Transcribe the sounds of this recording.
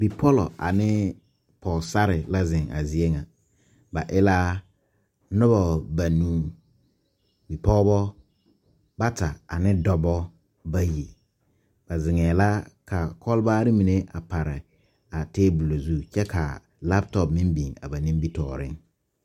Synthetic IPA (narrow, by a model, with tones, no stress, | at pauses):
bi˨pʰɔ˦lɔ˨ʔa̰˨nɪ˦ | pʰɔ˨sa˦ɾɪ˨la˦zɪ̃˨ŋa̰˨zi˨e˦ŋa˨ | ba˨ʔɪ˦la˦ | nʊ˦bɔ˨ba˨nũː˦ | bi˨pɔ˦bɔ˦ | ba˦tʰa˨a̰˨nɪ̃˦dɔ˦bɔ˦ | ba˦je˨ | b̥a˨zɪ˨ŋɛː˨la˦ka˨kʰɔ˦lbaː˦ɾɪ˦mĩ˨ne˦ʔa̰˨pʰa˨ɾɪ˨ | a˨teː˦bu˨lo˨zu˦t͡ʃɛ˦kʰa̰˨ | la˦ptɔ˨pmɪ̃˦mbi˨ŋa̰˨ba˨nɪ̃˦m˦bi˦tɔ̰ː˨ɾɪ̰˦ŋ